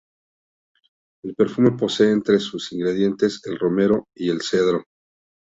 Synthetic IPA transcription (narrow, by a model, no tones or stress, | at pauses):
e̞lpe̞ɾfume̞po̞se̞ːnt̪ɾe̞susiŋɡɾe̞ð̞je̞nt̪e̞se̞lro̞me̞ɾo̞ie̞lse̞ðɾo̞